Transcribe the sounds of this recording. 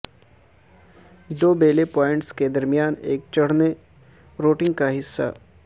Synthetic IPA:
d̪oːbeːlepɔːɪ̃ɳʈsked̪ɐɾmijaːneːk̚t͡ʃɐɽ̤ne | ɾoːʈɪ̃ŋɡkaɦɪsːa̰

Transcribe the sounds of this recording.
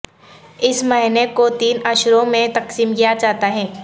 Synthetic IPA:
ɪsmɐɦɪnekot̪iːnɐʃɾõmẽt̪ɐqsiːmkijat͡ʃaːɦt̪aɦɛ̃ː

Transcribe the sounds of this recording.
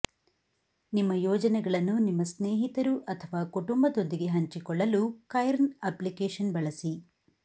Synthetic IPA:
nimːɐjɔːd͡ʒɐnɛɡɐɭɐnːunimːɐsneːɦit̪ɐɾuʔɐt̪ʰɐʋaːkuʈumbɐd̪o̞nd̪iɡe̞ɦɐɲt͡ʃikɔɭːɐlukɐjɐɾnɐplikeːʂɐnbɐɭɐsi

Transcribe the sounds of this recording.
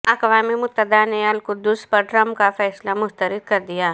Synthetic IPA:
ɐkʋaːmimʊt̪ːəd̪aneɐlkʊd̪ːʊspɐɾɖɾɐmkafɛːslamʊst̪əɾɪd̪̚kɐɾd̪ijaː

